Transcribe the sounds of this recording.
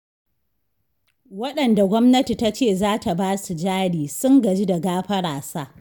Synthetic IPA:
wɐ˦ɗɐ˨nda˨ɡʷɔ˦mnɐ˦ti˨ta˦t͡ʃeː˦˨zaː˦ta˨baː˦su˨d͡ʒaː˦ɽiː˨sʊ˦ŋɡɐ˨d͡ʒi˦da˨ɡaː˦ɸɐ˦ɽaː˨saː˦

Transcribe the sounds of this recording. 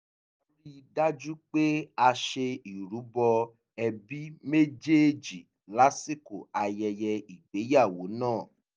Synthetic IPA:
o˦ɾi˦i˧da˦d͡ʒu˦k͡pe˦a˧ʃe˧i˨ɾu˨˦bɔ˧ | ɛ˧bi˦me˦d͡ʒe˦d͡ʒi˨ | la˨˦si˦ko˨a˧jɛ˧jɛ˧i˨ɡ͡be˨˦ja˦˨wo˨˦nãː˦˨

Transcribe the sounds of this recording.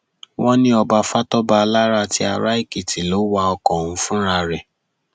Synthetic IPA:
wɔ̃˦nĩ˦ɔ˧ba˧fa˦tɔ˦ba˧la˦ɾa˧ti˦a˧ɾa˦i˦˨ki˨ti˨lo˨˦wa˧ɔ˧kɔ̃˨hũ˧˦fũ˦ɾa˧ɾɛ˨

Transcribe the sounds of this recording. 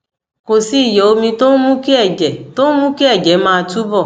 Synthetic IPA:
ko˨si˦i˦˨jɔ˨o˧mĩ˧to˦mũ˦ki˦ɛ˦˨d͡ʒɛ˨to˦mũ˦ki˦ɛ˦˨d͡ʒɛ˨˦mãː˧tu˦bɔ˦˨

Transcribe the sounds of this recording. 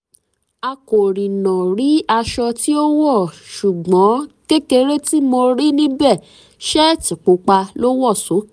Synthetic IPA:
a˧ko˨ɾĩ˨nɔ̃˨ɾi˨˦a˧ʃɔ˧ti˦o˦wɔ˦˨ʃu˨ɡ͡bɔ̃˨˦ke˦ke˧ɾe˦ti˦mo˧ɾi˦nĩ˦bɛ˦˨ | ʃɛ˦˨ti˨k͡po˨˦k͡pa˧lo˦wɔ˦˨so˨˦

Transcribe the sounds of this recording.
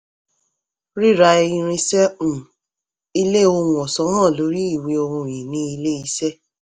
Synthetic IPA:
ɾi˦˨ɾa˧i˧ɾ̃ĩ˧sɛ̃˦˨ | i˦le˦o˧ŋũ˧˨ɔ˨sɔ˨˦nãː˦˨lo˨˦ɾi˦i˦˨wi˨˧o˧ɾũ˧˨jĩ˨nĩ˧i˧le˦i˦sɛ˦

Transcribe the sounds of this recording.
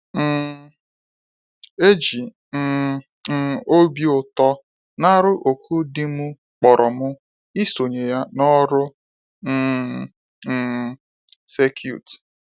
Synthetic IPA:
m̩˨ | e˦d͡ʒi˨ | n̩˨ | n̩˦˨o˦bi˦ʊ˨tɔ˦ | na˦ɾʊ˦ʔo˨kʰu˦dɪ˦mʊ˦ | k͡pɔ˨ɾʔɔ˨mʊ˦ | i˦so˨ɲe˨ja˦nɔ˦ɾʊ˦ | n̩˦˨ | se˦kʰjṵ˦˨t

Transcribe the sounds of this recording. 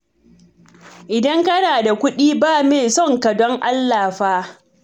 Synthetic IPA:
ʔɪ˨dɐ˦ŋkɐ˦naː˨da˨kʷʊ˦ɗiː˦baː˦˨meː˨sɔ˦ŋkɐ˨dɔ˦ŋʔa˦lːaː˨ɸaː˦

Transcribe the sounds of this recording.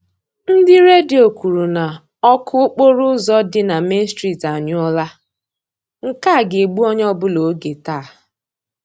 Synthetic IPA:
n̩˦dɪ˦ɾe˦di˨o˨kʷu˨ɾu˨na˨ | ɔ˦kʰʊ˦k͡po˦ɾʊ˦zɔ˦dɪ˦na˨me˦n˦stɾi˨ta˨ɲʊ˦ɔ˦la˦ | ŋ̩˨ka˦˨ɡe˨ɡ͡bu˦ɔ˦ɲ˦ɔ˦bʊ˦lo˨˦ɡe˨taː˦˨

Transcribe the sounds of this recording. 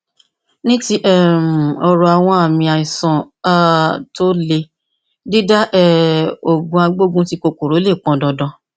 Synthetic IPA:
nĩ˦ti˦ʔɛ˦˨m̩˨ɔ˧ɾɔ˨˧a˨w̃ɔ̃˧a˦˨mĩ˧a˧i˨sã˨ | a˦to˦le˧ | di˦da˦ʔɛ˦˨o˨ɡũ˧a˧ɡ͡bo˦ɡũ˦ti˦ko˧ko˨ɾo˨˦le˦˨k͡pɔ̃˨˦dɔ˧dɔ̃˧

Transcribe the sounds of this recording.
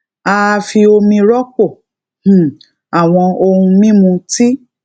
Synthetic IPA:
a˧fi˧o˧mĩ˧ɾɔ˦k͡põ˦˨ | a˨w̃ɔ̃˧o˧hũ˧mĩ˦mũ˧ti˦

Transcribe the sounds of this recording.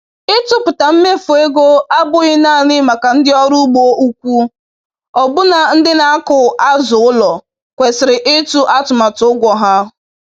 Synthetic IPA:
ɪ˦tʊ˦pʊ˨ta˨m̩˦me˦fʊ˨e˦ɡo˦a˦bʊ˦ɣɪ˦naː˦˨nɪ˦ma˨ka˨n̩˦dɪ˦ɔ˦ɾu˦ɡ͡bo˦ʔu˦kʷu˦ | ɔ˨bʊ˦na˨n̩˦dɪ˦na˦a˦kʊ˨ʔa˦zʊ˨ʊ˦lɔ˨ | kʷe˨sɪ˨ɾɪ˨ʔɪ˦tu˦ʔa˦tʊ˨ma˨tʊ˨ʊ˦ɡʷɔ˨ɦa˦

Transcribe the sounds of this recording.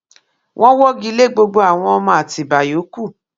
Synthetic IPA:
wʔɔ̃˦wɔ˦ɡi˧˦le˦˨ɡ͡bo˧ɡ͡bo˧a˨w̃ɔ̃˧ɔ˧mɔ̃˧a˨ti˨ba˨jo˨˦ku˦˨

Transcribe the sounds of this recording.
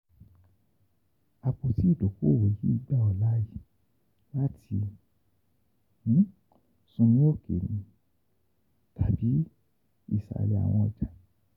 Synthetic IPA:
a˨k͡po˧ti˦i˦˨do˨ko˦˨we˨ji˦i˧ɡ͡ba˦ɔ˨la˦ji˨ | la˦tʰi˧ | nĩ˦ | sũ˧nĩ˦o˦ke˨nĩ˨˧˦ | tʰa˨bi˨˦ | i˦˨sa̰˨li˨a̰˨w̃ɔ̃˧ɔ˧˨d͡ʒa˨

